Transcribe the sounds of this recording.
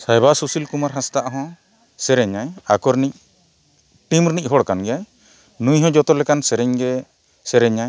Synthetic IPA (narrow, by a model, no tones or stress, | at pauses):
sajbasusilkumaɾɦãst̪aʔɦɔ̃ | sɛɾɛɲaɲakɔɾnic̚ | ʈimɾnic̚ˀɦɔɽkanɡɛjaɲ | nũjɦɔ̃d͡ʒɔt̪ɔlɛkansɛɾɛɲɡɛ | sɛɾɛɲaɲ